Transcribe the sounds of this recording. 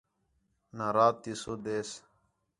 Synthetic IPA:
naɾaːt̪ːisod̪eːs

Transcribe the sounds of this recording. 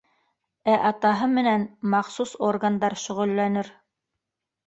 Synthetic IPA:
æʔɑt̪ɑɦɤmɘ̆nænmɑχsusorɡand̪ɑɾʃɵ̆ʁɵ̆lːænɘɾ

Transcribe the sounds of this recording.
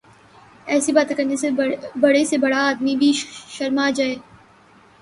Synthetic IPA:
ɛːsibaːt̪ekɐɾnesebɐɽesebɐɽaaːd̪mibʱiʃɐɾmad͡ʒaːeː

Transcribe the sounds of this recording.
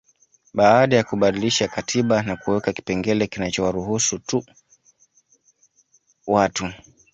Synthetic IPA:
ɓaːɗajakuɓaɗiliʃakatʰiɓanakuwɛkaki̥pɛŋɡɛlɛkinat͡ʃɔwaɾuɦusutu | watu

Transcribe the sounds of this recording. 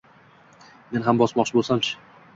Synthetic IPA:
me̞nɦambɒsmɒqt͡ʃʰɪbolˠsamt͡ʃʰɪ̥

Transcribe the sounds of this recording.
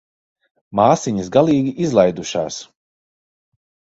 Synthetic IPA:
maːsiɲisɡalˠiːɡʲiʔizlˠajd̪uʃa̰ːs

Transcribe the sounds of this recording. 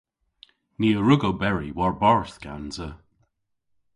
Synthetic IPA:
niːəɹʊɡobɛɹiwɔɹbɔɹθɡ̥a̰nzə

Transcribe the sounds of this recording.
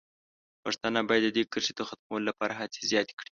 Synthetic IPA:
pəʂt̪anabɑjad̪ːəd̪ekəʃed̪əxat̪̚mawəlolapɑɾaɦat͡se̥zjɑt̪e̥kɽi̥

